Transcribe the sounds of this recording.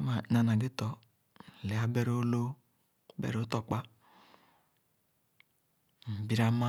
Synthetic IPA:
ma˨˦na˨na˨ɡi˦tɔ˨ | le˨a˦be˦ɾo˦lo˦ | bḛ˦ɾo˦tɔ˨k͡pa˦ | m̩˨bi˦ɾa˦ma˦

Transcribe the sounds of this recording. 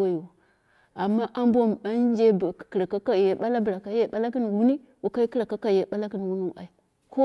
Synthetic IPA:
a˦i˨wa˨ | a˨mːa˦ʔa˦m˦bʷo˦m˨a˦d͡ʒe˦bki˨ɾa˨ka˦ka˨je˨ɓa˦la˦bə˨ɾa˨ka˨je˦˨ɓa˦la˦ki˦n˨wu˨ni˦ | wu˨ka˦i˦ki˦ɾa˨ka˦ka˦˨je˨ɓa˦la˦ki˦n˨wu˦ni˦wa̰˨i˨ | ko˦

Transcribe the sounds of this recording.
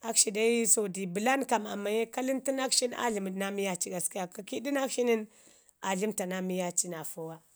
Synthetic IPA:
a˦kʃi˨da˦i˦so˨di˨bi˨la˦nka˨ma̰˨ma˨je˦ka˦li˦nti˦na˦kʃi˦n˦a̰˦ɮi˨mə˨dna˦mi˦ja˦t͡ʃi˦ɡa˨ski˦ja˨ka˨ki˦di˦na˦kʃi˦ni˦n | a˨ɮi˦mta˨na˦mi˦ja˦t͡ʃi˦na˨fo˦wa˦

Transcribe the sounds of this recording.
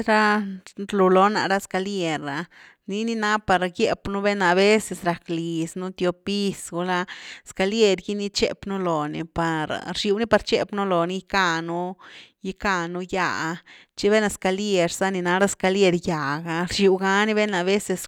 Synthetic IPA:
ɾa˦ɾlu˨lo˧na̰˨ɾa˦ska˧lje˧ɾa˨ | ni˦ni˦na˦pa˨ɾɡje˦pnu˦be˦na˧be˦se˧sɾa˨kli˨snu˦t̪jo˧pi˦sɡu˧la˦ska˧lje˧ɾɡi˦ni˦t͡ʃḛ˦pnu˦lo˨nḭ˨pa˨ɾɾʃi˧wni˦pa˧ɾt͡ʃḛ˦pnu˦lo˨ni˦ka˧nu˦ji˦ka˧nu˦ja˧ | t͡ʃi˦βe˦na˧ska˧lje˧ɾsa˦ni˧na˧ɾa˦ska˧lje˧ɾja˨ɡa˧ɾʃi˧˨wɡa˧ni˦be˦na˧be˦se˧s

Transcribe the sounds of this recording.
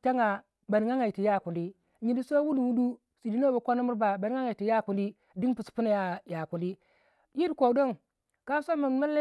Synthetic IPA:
ta˦ŋa˨ | ba˨ni˨˦ŋa˦ŋa˨i˨ti˨ja˦˨ku˨li˦ | ɲi˨di˦so˦wu˦lu˨wu˦du˦ | si˨di˦no˦ba˨kʷa˦na˦mu˦ɾba˨ba˨n˦ŋa˦ŋa˨i˨ti˨ja˦˨ku˨li˦ | di˦npu˨spu˦na˨ja˨ja˨ku˨li˦ | ji˦ɾkʷo˨do˦ŋ | ka˦so˦ma˨ma˦le˦

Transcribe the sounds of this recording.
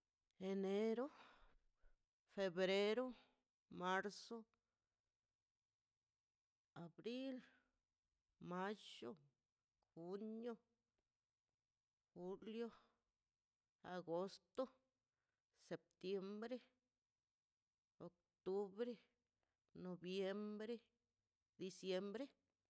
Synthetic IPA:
e˨ne˦ɾo˦ | fe˧bɾe˦ɾo˦ | ma˦ɾso˦ | a˨bɾi˦l | ma˦t͡ʃo˦ | xu˦njo˦ | xu˦ljo˦ | a˨ɡo˦st̪o˦ | se˨p̚t̪je˧mbɾe˦ | o˨k̚ | t̪u˦bɾe˦ | no˨bje˦mbɾe˦ | d̪i˧sje˦mbɾe˦

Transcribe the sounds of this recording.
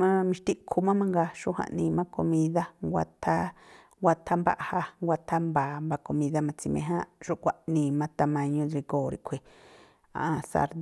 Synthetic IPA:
mã˦mĩ˧ʃt̪i˦ʔkʰu˧mã˦mã˦ŋɡa˧ʃu˦hã̰˧˨ʔnĩ˧mã˦ko˧mĩ˧ða˦ŋɡʷa̰˧t̪ʰa˦ | ŋɡʷa˧t̪ʰa˦mba̰˦ʔha˧ŋɡʷa˧t̪ʰa˦mbaː˨mba˧ko˧mĩ˧ða˧mã˧t͡si˧mẽ˧ɦã˦ʃu˦ʔkʷa˧ʔnĩː˧˨mã˦t̪a˧mã˧ɲũ˧ɾi˧ɡoː˨ɾi˧kʷʰe˨ | a̰˨ʔa˧sa̰˧ɾd̪

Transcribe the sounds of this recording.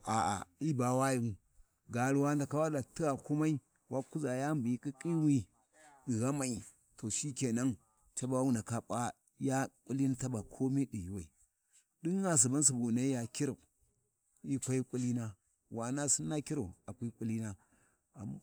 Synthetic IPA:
a˨a̰˨i˦ba˨wa˦ji˨u˨ | ɡa˨ɾu˨wa˦nda˨ka˦wa˦da˨ti˦ɣa˨ku˦ma˦i˦ | wa˦ku˦za˨ja˦mbu˨i˦ki˦kʼi˦wi˦ | di˨ɣa˦ma˨i˨ | to˨ʃi˦ke˨na˦ŋ | t͡ʃa˦ba˦wu˦na˨ka˨pa˦ | ja˦kʷʼu˦li˦na˦ta˦ba˨kʰo˦me˦di˨ji˨wa˨i˨ | di˦ŋː˦a˦s̬u˨ba˦n˦s̬i˨bu˨na˨˦i˦ja˨ki˦ɾa˨ | i˦kʷa˦i˦kʷʼu˦li˦na˦ | wa˨na˦si˦nːa˦ki˦ɾa˨a˨kʷi˦kʷʼu˦li˦na˦ | a̰˨m˦

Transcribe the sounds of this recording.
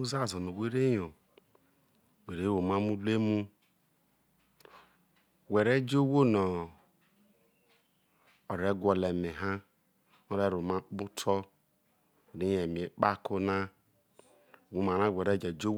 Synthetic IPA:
u˦za˦˨zo˨no˨we˦ɾe˦jo˨ | we˨ɾe˦wo˨ma˦mu˦le˦mu˦ | we˨ɾe˦d͡ʒo˦wo˦nɔ˨ | o˨ɾe˦ɡʷɔ˨le˨me˨ɦa˦ | o˦ɾe˦ɾo˨ma˦bu˦tʰɔ˦˨ | ɾi˦je˨mi˨e˨k͡pa˦ko˦na˦˨ | wu˨˦ma˨na˦˨wʷe˨ɾe˦d͡ʒe˨d͡ʒo˦w

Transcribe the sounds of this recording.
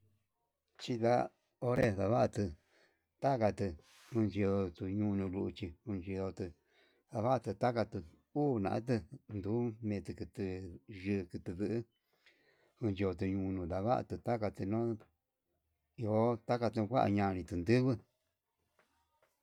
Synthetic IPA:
t͡ʃi˧ða̰˦ | o˦ɾe˦ða˧βa˦ʔa˧t̪ɨ˧ | t̪a˦ka˧t̪ɨ˧ | hũ˧nt͡ʃi˧o˧t̪u˧ɲũ˧nũ˧lu˧ʔu˧t͡ʃi˧hu˧nt͡ʃi˧o˧t̪ɨ˧ | ða˧βa˦˧t̪ɨ˧t̪a˦ka˧t̪ɨ˧ | uː˦nã̰˧˨ʔã̰˦t̪̬ɨ˧nd̪u˨˦mẽː˧t̪ɨ˧kɨ˧t̪ɨ˧ʒɨ˧kɨ˧t̪ɨ˧ðɨ˧ʔɨ˦ | hũ˧nt͡ʃi˧o˧t̪̬u˧ɲũ˧nũ˧d̪a˧βa˦ʔa̰˧t̪ɨ˧t̪a˦ka˧t̪ɨ˧nõ˦ | i˧o˧˦t̪a˦ka˧t̪ɨ˧kʷa˦ʔa̰˧ɲã˧nĩ˧t̪ɨ˧nd̪ɨ˦βɨ˦

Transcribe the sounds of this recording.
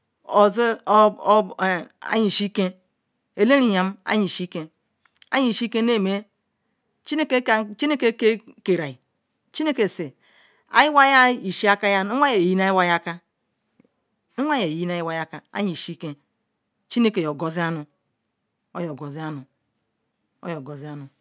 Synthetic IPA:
o˨zi˦˨ | a̰˦ɲi˨ʃi˦ke˦ | e˨le˦ɾi˦ja˨m˦a̰˦ɲi˨ʃi˦kẽ˦ | a̰˦ɲi˨ʃi˦ke˦ne˦˨me˦ | t͡ʃi˦ne˦ke˦t͡ʃi˦ne˦ke˦ke˦ke˨ɾa˨i˨ | t͡ʃi˦ne˦ke˨se˨ | a̰˦ji˦wa˦ja˦i˨ʃi˦a˦ka˦ja˦i˦a˦je˨ji˦n˦a˦ji˦wa˦ja˦ka˦ | i˦a˦je˨ji˦n˦a˦ji˦wa˨˦ja˦ka˨a̰˦ɲi˨ʃi˦ke˦ | t͡ʃi˦ne˦ke˨jo˨ɡo˨zi˦a˦nu˨ | o̰˦jo˨ɡo˨zi˦a˦nu˨ | o̰˦jo˨ɡo˨zi˦a˦nu˨

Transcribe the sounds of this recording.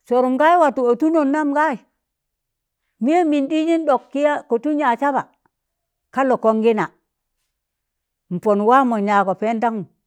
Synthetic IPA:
so˨ɾu˨mɡa˦ji˦wa˨tu˨o˨tu˦no˨nːa˦mɡa˦i˨ | mi˦e˦mi˨ndi˦ɲi˦nɗo˨kːi˦ja˦ko˨tu˦ɲa˨t͡ʃa˦ba˨ | ka˦lo˨ko˦ŋɡi˦na˨ | m̩˨po˨nwa˦mo˨ɲa˨ko˨pe˦nta˦ŋu˨

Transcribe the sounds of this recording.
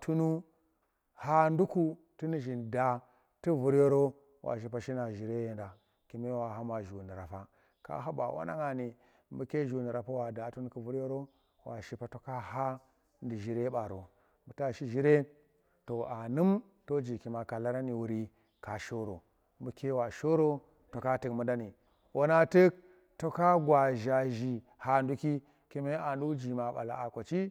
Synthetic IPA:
tu˦nu˦ | ha˦ndu˦ku˦ | tu˦ni˦ʒi˨n˨da˨ | ti˦vu˨˦ɾjo˦ɾo˦ | wʔa̰˨ʃ̬i˦pa˨ʃi˦na˨ʒi˨ɾe˦je˦nda˨ | ki˨me˦wa˨ɦa˦ma˨ʒu˨ni˨ɾa̰˨fa˦ | ka̰˦ɦa˦ba̰˨wʔa̰˦na̰˦ŋa˨ni˨ | mbu˦ke˦ʒu˨ni˨ɾa˨pa˦wa˨da˨tu˦nu˦ki˦vu˦ɾo˦ɾo˦ | wa̰˨ʃi˦pa˨to˨ka˦ha˦ | ndi˨ʒi˨ɾe˦ɓa˨ɾo˨ | mbu˨ta˦ʃi˦ʒi˦ɾe˦ | to˨a˨nɨ˦m | to˦d͡ʒi˨ki˨ma˨ka˨la˦ɾa˦ni˨wu˨ɾi˦ | ka˨ʃo˦ɾo̰˨ | mbu˨˦ke˦wa˨ʃo˦ɾo˦ | to˨ka˦tɨ˨kmu˦nda˦ni˨ | wʔo˦na˦tɨ˦k̚ | to˦ka˦ɡʷa˨ʒa˨ʒi˨ | ha˦ndu˦ki˦ | ke˦me˦a˨ndu˦d͡ʒi˨ma˨ɓa̰˨la̰˨a˨ka˨t͡ʃi˦

